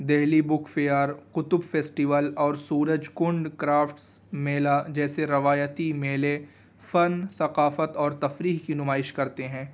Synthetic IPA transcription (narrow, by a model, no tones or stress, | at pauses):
d̪ɛɦlibʊkʰfejaːɾqʊt̪ʊbfeːsʈiʋəlɔːɾsuːɾəd͡ʒkʊ̃ɳɖkɾaːfʈs | meːlad͡ʒɛːseɾɐʋaːjət̪imeːle | fɐnsɐqaːfət̪ɔːɾt̪ɐfɾiːɦkinʊmaːɪʃkɐɾt̪eɦɛ̃ː